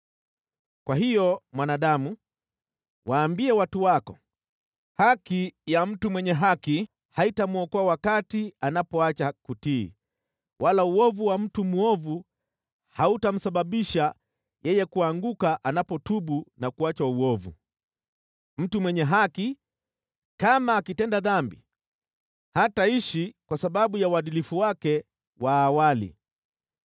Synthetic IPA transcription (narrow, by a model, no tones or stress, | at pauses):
kwaɦijɔmwanaːɗamu | wʔaːmbiɛwatuwakɔ | hakijam̩tumwɛɲɛɦaki | haitamuɔkɔawakatianapɔat͡ʃakutḭː | wʔalauɔvuwam̩tumuɔvu | hautam̩saɓaɓiʃa | jɛjɛkuaŋɡukaʔanapɔtuɓunakuat͡ʃauɔvṵ | m̩tumwɛɲɛɦaki | kamaːkitɛndaðambi | hataiʃikwasaɓaɓujawaɗilifuwakɛ | waːwalḭ